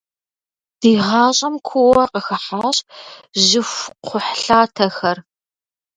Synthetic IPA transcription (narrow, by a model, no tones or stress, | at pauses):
d̥iːʁɑːɕʼɐmkʷʰʊwɐqəxɐħaːɕʑɪfʷqʷʰʊħɬaːtʰɐxɐr